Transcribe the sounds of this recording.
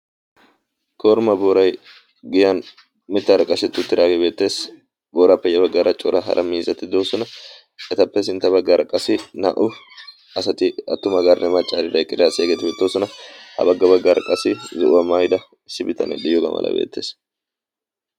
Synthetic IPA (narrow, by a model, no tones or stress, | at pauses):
koːɾmɐboːɾɐj | ɡɪjɐn | mɪt̪ːɐɾɐkʼːɐʃɛt̪ːʊt̪ːɪd̪aːɡebe̞ːt̪ːe̞ːs | boːɾɐpːɛjɛbɐɡːaɾɐt͡ʃʼɔɾɐɦɐ̰ɾʔɐmiːzɐt̪ɪd̪oːsɔnɐ | ɛt̪ɐpːɛsɪnt̪ːɐbɐɡːɐɾʔɐkʼɐsɪnɐ̰ːʔʊ | ɐsɐt̪ɪɐt̪ːʊmɐɡɐɾnɛmɐt͡ʃʼːaːɾɪd̪ɐjkʼːɪljasɪɐɡeːt̪ɪbɛt̪ːoːsɔnɐhɐ̰bɐɡːɐbɐɡːɐɾɐkʼɐsɪzɪʔʊwɐmajd̪ɐ | sɪbɪt̪ɐ̰nɛ̰d̪ɪjɔɡɐ̰mɐ̰lɐ̰bḛːt̪ːeːs